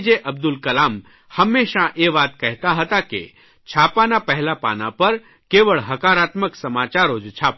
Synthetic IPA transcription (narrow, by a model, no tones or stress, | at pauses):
d͡ʒeʔɐb̚d̪ʊlkɐlaːm | həmːeːʃãʔeʋaːt̪̚kɛɦt̪aɦət̪akḛ | t͡ʃʰaːpanapɛɦlapa̰ːna̰pɐɾ | keːʋəɭɦɐkaːɾaːt̪məksɐmaːt͡ʃaːɾoːd͡ʒt͡ʃʰaːp